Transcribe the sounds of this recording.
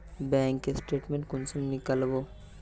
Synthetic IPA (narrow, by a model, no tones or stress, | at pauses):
bɛ̃ːŋkːesʈeːʈmẽɳʈkʊnsɐmnikəlbo